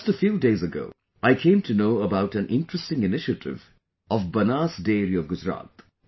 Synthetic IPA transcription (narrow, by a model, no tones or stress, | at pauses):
d͡ʒʌstəfjuːdeɪzəɡo̰ʊ | aɪkʰẽɪ̃mtʰunoʊəbaʊʈæ̃nʔɪ̰̃nʈɹ̥əstɪ̃ŋɪnɪʃətʰɪ̰v | ɔvbɐnaːsdeːɾiɔvɡʊd͡ʒɾa̰ːt̪